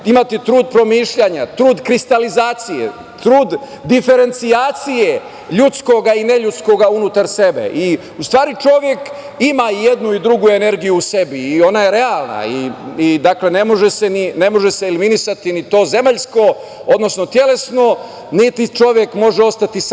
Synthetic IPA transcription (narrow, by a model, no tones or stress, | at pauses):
imat̪it̪ɾuːd̪̚pɾo̞miːʃʎaɲat̪ɾuːd̪kɾist̪alizaːt̪sijḛ | t̪ɾuːd̪ː | ife̞ɾe̞nt̪siaːt̪sije̞ | ʎut̪sko̞ɡaine̞ʎut̪sko̞ɡaunut̪aɾse̞be̞̰ʔi | ust̪ʋaːɾit͡ʃo̞ʋje̞k | imaijed̪nuid̪ɾuɡue̞ne̞ɾɡijuːse̞biːo̞najeɾe̞alˠna̰iid̪akle̞ne̞mo̞ʒesenine̞mo̞ʒe̞seiliminisat̪init̪o̞ːze̞maʎsko̞ | od̪nosno̞t̪je̞le̞sno̞ | nit̪it͡ʃo̞ʋjekmo̞ʒeo̞st̪at̪is